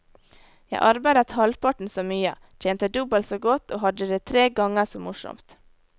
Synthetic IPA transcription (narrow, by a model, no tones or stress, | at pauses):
jæɪʔɑɾbæɪd̪ət̪hɑlpʰɑʈn̩soːmyːə̰ | t͡ʃ̪ʰeːnt̪əd̪ʉbəlsoːɡɔt̪oːhɑd̪əd̪eːt̪ʰɾeːɡɑŋəsoːmʊʃɔ̰mt̪